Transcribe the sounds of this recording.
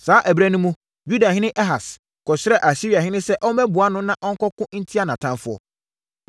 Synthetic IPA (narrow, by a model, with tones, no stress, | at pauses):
saː˨˦ʔæ˨bɾæ˦nũ˦mũ˦ | ju˦da˨ɦɪ̃˦nɪ̃˦ʔɛ˦ɦa˨s | kʰɔ˨ɕɪ˦ɾɛ˦ʔa˨ɕi˦ɾi˨a˨ɦɪ̃˦nɪ̃˦sɛ˦ʔɔ˦mɛ̃˦bʊ˨a˦nʊ̃˦nã˦ʔɔ˦ŋ̩˦kɔ˦kʊ̃˦n̩˦tʰi˦a˦˨nã˨tʰã˦mfʊ˦ɔ̰˨